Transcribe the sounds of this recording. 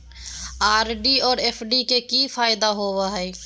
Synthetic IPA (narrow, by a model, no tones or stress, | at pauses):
aːɾɖiɔːɾeːpʰɖikekifaːɪd̪aɦoʋaɦɛː